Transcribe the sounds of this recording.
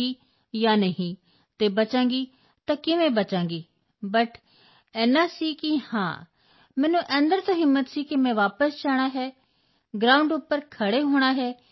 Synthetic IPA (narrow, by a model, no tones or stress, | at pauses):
iː | jaːnəɦĩː | t̪eːbət͡ʃãːŋɡiː | t̪ãːkɪʋẽːbət͡ʃãːŋɡiː | bəʈ | ɛːnaːsiːkihã̰ː | mɛ̃ːnũːʔə̃nd̪əɾt̪aːɦɪmːət̪siːkimɛ̃ːʋaːpəsd͡ʒaːɽ̃aːɦɛː | ɡɾaːʊ̃ɳɖʊpːəɾkʰəɽeːɦoːɽ̃aːɦɛː